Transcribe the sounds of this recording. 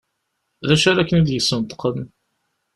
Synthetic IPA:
ðæʃæɾækːənæd̪jəsːənt̪ːə̥qːən

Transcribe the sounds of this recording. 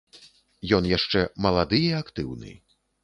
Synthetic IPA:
jɔnjaʂt͡ʂɛmɐlˠad̪ɨjiakt̪ɨwnɨ̰

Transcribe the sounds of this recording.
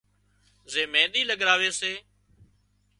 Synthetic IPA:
zeːmẽːɗ̪iːləɡɾaːʋeːseː

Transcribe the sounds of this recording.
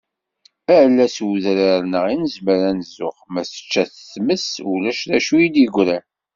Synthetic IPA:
æʕlːæswuðɾəɾnəʁinəzməɾænəzʊχmæsə̥t͡ʃːæθəθməsulæʃðæʃujid̪iɡʷɾæn

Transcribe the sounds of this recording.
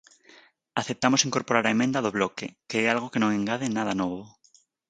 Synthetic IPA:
aθep̚t̪amosiŋkoɾpoɾaɾaemẽnd̪aðoβlɔkekeɛalɣokenõŋẽŋɡaðenaðanɔβo

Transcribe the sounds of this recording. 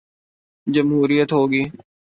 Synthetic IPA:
d͡ʒəmɦuːɾijət̪ɦoːɡiː

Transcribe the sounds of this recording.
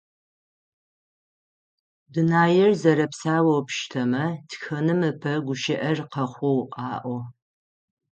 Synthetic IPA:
dɨnaːjɪrzɐɾɐpsaːwɐwpʰʃtʰɐmɐtʰxɐnɨmɨpʰɐɡʷʊʃɪʔɐrqɐχʷɔwʔʼɑːʔʷɔ

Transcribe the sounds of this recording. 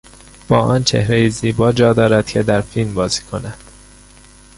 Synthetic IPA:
b̥ɒːʔɒːnt͡ʃʰe̞̰hɾejiziːbɒːd͡ʒɒːd̪ɒːɾæd̪̥̚cʰe̞d̪æɾfilmbɒːziːkʰonæd̪̥

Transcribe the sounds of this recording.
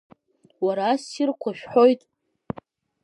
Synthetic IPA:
waɾaːsirkʷʰaʃᶣħo̞jtʼ

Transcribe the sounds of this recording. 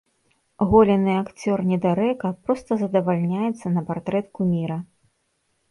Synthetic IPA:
ɣɔlʲɛnɨakt͡sʲɔrnʲɛd̪aɾɛkɐpɾɔst̪ɐzɐd̪ɐvalʲnʲajɛt̪sːɐnɐpart̪ɾɛt̪kumʲiɾɐ

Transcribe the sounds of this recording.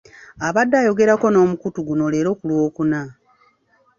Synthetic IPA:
aβadːaːjo̞ɡe̞ɾako̞no̞ːmukutuɡuno̞le̞ːɾo̞ːkulwo̞ːkuna

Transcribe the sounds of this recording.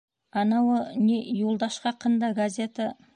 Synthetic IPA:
ɑnɑwənʲejolˠd̪ɑʃqɑqʰːənd̪ɑɡazʲe̞t̪a

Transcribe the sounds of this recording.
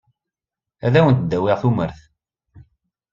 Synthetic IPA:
æðæwənt̪d̪ːæwɪʁθuməɾθ

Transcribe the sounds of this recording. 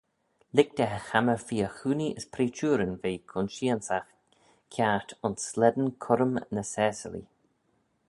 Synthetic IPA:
lɪk̚t̪ɛɦəxaməɹfiːəxuːniʔəspʰɾiːt͡ʃuːɾənveːkʰʊnʃiːənsax | kʰaɹt̪ʰʊnslɛd̪ənkʰʊɾəmnəsɛːsə̰lḭ

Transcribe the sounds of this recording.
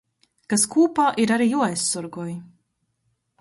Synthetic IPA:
kaskuːpaːʔiɾaɾijuajsːuɾɡuji

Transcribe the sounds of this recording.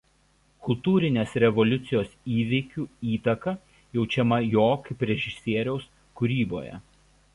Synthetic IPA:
kʊlˠt̪uːɾʲɪnʲeːsɾʲɛʋɔlʲʊt̪sʲɪjoːsiːʋʲɛɪkʲuːiːt̪ɐkɐ | jɛʊt͡ʃʲɛmɐjoːkɪpʲɾʲɛʒʲɪsʲiɛɾʲɛʊs | kʊɾʲiːbo̰ːjɛ̰

